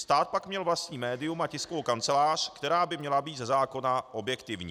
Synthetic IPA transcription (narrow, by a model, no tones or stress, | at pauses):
st̪aːt̪̚pakmɲɛlvlast̪ɲiːmɛːdɪumacɪskovowkant͡sɛlaːr̝̥kt̪ɛɾaːbɪmɲɛlabiːt̪zɛzaːko̞naʔo̞bjɛkt̪ɪvɲiː